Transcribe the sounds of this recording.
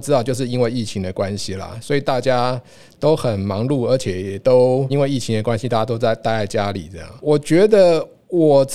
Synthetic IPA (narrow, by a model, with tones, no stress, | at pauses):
ʈ͡ʂɻ̩˥t̪ɑ˥˧ʊt͡ɕjo˥˧ʊʂ̬ɻ̩˥˩i˥nwe˥˧ɪi˥˩t͡ɕʰi˧˥ŋd̪ə˨kwa˦nɕi˨lɐ̰˨swɔ˧˥i˨˩t̪a˥˩t͡ɕja˦ | t̪o˥ʊxə˨˩nmɑ˧˥ŋlu˥˩ə˞˧˥t͡ɕʰjɛ˨˩jɛ˨˩t̪o˦ʊi˥nwe˥˧ɪi˥˩t͡ɕʰi˧˥ŋd̪ə˨kwa˦nɕi˧t̪a˥˩ja˥t̪o˥ʊt͡sa˥˧ɪt̪a˥˧ɪa˥˩ɪt͡ɕja˦lḭ˨˩˦t͡sə˥˧˩jɑ̰˥˩ŋwɔ˨˩t͡ɕɥɛ˧˥d̪ə˧ | wɔ˨˩t͡s